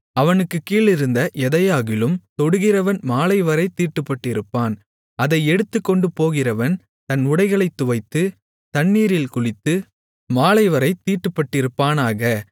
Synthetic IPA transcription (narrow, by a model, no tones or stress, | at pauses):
ɐʋɐnɯkːɯkːiːlɪɾɯnd̪ɐʔɛðɐjaːɣɪlɯmt̪ɔɽɯɣɪrɐʋɐnmaːɭɐɪʋɐɾɐɪt̪iːʈːɯpːɐʈːɪɾɯpːaːn | ɐðɐɪɛɽɯt̪ːɯkːɔɳɖɯpoːɣɪrɐʋɐn | t̪ɐnʊɽɐɪɣɐɭɐɪt̪ːʊʋɐɪt̪ːɯ | t̪ɐnːiːɾɪlkʊɻɪt̪ːɯ | maːlɐɪʋɐɾɐɪt̪iːʈːɯpːɐʈːɪɾɯpːaːnaːɣɐ